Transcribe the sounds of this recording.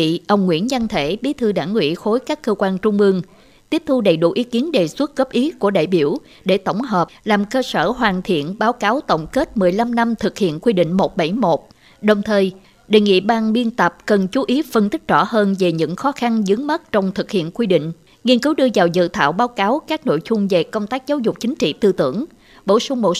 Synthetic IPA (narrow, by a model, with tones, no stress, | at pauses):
ḭ˧˨ʔə˧wŋ͡mŋwḭ˧˥ənza˧nt̪ʰe˧˩ɓi˨˦t̪ʰɨ˧ɗaː˧˩ŋːwḭ˧˥xo˨˦jkaː˦˥kːəː˧kwaː˧nt͡ɕʊ˧ŋ͡mʔɨ˧əŋ | t̪i˦˥əp̚t̪ʰu˧ɗə˨˩jɗṵ˧˩ʔi˨˦ki˨˦ənɗe˨˩swə˦˥t̚ɣə˦˥p̚ʔi˨˦ku˧˩əɗa̰ː˧˨˩jɓi˧˩əw | ɗe˧˩t̪ə˧˩wŋ͡mɦəː˨˩p̚laː˨˩mkəː˧səː˧˩ɦwaː˨˩nt̪ʰḭ˧˨ənɓaː˨˦wkaː˨˦wt̪ə̰˧˨wŋ͡mke˦˥t̚mɨ˨˩əjla˧mna˧mt̪ʰɨ˨˩k̚hḭ˧˨ənkwi˧ɗḭ̈˧˨ŋ̟mo˨˩t̚ɓa˧˩jmo˨˩t̚ | ɗə˨˩wŋ͡mt̪ʰəː˨˩j | ɗe˨˩ŋḭ˧˨ɓaː˧ŋɓi˧ənt̪ə˨˩p̚kə˨˩nt͡ɕu˨˦ʔi˨˦fə˧nt̪i˦˥k̟̚zɔ˧˩həː˧nve˨˩ɲɨ̰˧˥ŋxɔ˨˦xa˧nzɨ˨˦ŋmə˦˥t̚t͡ɕɔ˧wŋ͡mt̪ʰɨ˨˩k̚hḭ˧˨ənkwi˧ɗḭ̈˧˨ŋ̟ | ŋi˧ənkɨ˨˦wɗɨ˧əzaː˨˩wzɨ̰˧˨t̪ʰaː˧˨wɓaː˨˦wkaː˨˦wkaː˦˥k̚no̰˧˨jzʊ˧ŋ͡mve˨˩kə˧wŋ͡mt̪aː˦˥k̚zaː˨˦wzʊ˨˩k͡p̚t͡ɕï˨˦ŋ̟t͡ɕḭ˧˨t̪ɨ˧t̪ɨ̰˧˩əŋ | ɓo̰˧˩sʊ˧ŋ͡mɓo˨˩